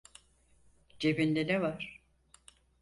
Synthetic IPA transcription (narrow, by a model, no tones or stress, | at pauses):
d͡ʒebind̪enɛvaɾ̥